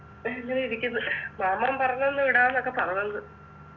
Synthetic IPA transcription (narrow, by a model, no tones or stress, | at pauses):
lːɐðiɾikʲːunːɐɨmaːmːaːmpɐrɐɲːonːɨʋiɽaːnːokːe̞pɐrɐɲːonːɨ